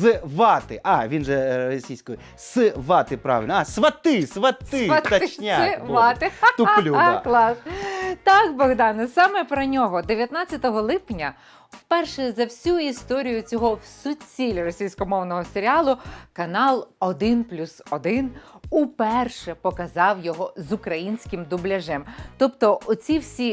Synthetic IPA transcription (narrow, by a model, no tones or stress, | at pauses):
zʋɑt̪ɪʔɑʋʲinʒɛɾɔsʲijsʲkɔji | sɨʋɑt̪ɪpɾɑ̰ʋɪ̰lʲnsʋɐt̪ɪsʋɐt̪ɪɐt̪ɐt͡ʃnʲaʋɑt̪ɪt̪ʊlʲuklˠɑst̪ɑkbɔɣd̪ɑnɐsɑmɛpɾɐnʲɔɦɔd̪eʋʲjɐt̪nɑt͡sʲːɐt̪ɔɦɔlˠɪpnʲɐ | wpɛrʃɛzɐwsʲuist̪ɔɾʲijʊt͡sʲɔɦɔwsʊt͡sʲilʲrɔsʲijsʲkɔmɔwnɔɦɔseɾʲɪɑlˠʊkɐnɑlˠɔd̪ɪnplʲusɔd̪ɪnupɛrʃɛpɔkɐzɑwjɔɦɔzʊkɾɐjinʲsʲkɪmd̪ʊblʲɐʒɛmt̪ɔpt̪ɔɔt͡sʲiwsʲi